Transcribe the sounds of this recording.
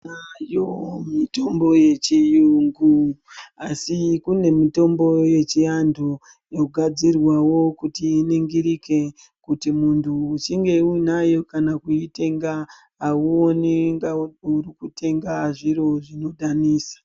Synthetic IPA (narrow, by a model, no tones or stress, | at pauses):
najomito̞mbo̞je̞t͡ʃijuŋɡuasikune̞mito̞mbo̞je̞t͡ʃijandʰʱo | joɡʱad͡zirwawo̞kutiiniŋɡiɾike̞ | kutimuntʰuːt͡ʃiŋɡe̞uinajo̞kanakuite̞ŋɡaː | uoneŋɡauɾikutʰe̞ŋɡaʐiɾo̞ʐino̞ɗaniːsḁ